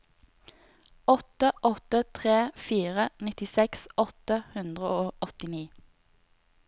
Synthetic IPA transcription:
ɔt̪əʔɔt̪ət̪ʰʁeːfiːʁənɪt̪ɪsɛksʔɔt̪əhʉnd̪ʁəʔoːɔt̪ɪniː

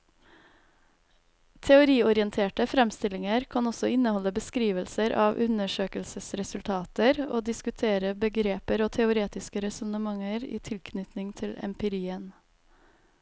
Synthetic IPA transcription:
t̪ʰɛʊɾiːɔɾɪənt̪ʰeːʈəfɾɛmst̪ɪlɪŋəɾkʰɑnɔsɔɪnəhɔləbəskɾiːʋəlsəɾʔɑːʋʔʉnəʃøːkəlsəsɾɛsʉlt̪ʰɑːt̪əɾoːd̪ɪskʉt̪ʰeːɾəbəɡɾeːpəɾoːt̪ʰɛʊɾeːt̪ɪskəɾɛsɔnəmɑŋəɾḭːt̪ʰɪlkʰnʏt̪nɪŋt̪ʰɪlɛ̰mpɪɾiːən

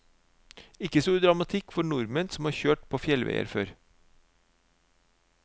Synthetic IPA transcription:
ɪkəsuːd̪ɾɑmɑt̪ʰɪkfɔɳʊɾmənsɔm̩hɑːɾçøːʈpʰoːfjɛlʋḛɪə̰ɾfø̰ːɾ

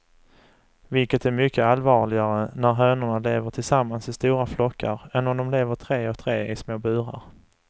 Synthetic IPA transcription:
vɪlkət̪æɾmʏkʰːəalvɑːɭɪɡaɾənæɾɦœːnʊɳaleːvəʈʰɪlsamːansɪst̪uːɾaflɔkʰːə̰ɾɛnːɔmd̪ɔmleːvəʈʰɾeːɔkt̪ʰɾeːʔɪsmoːbʉ̟ːɾa̰ɾ

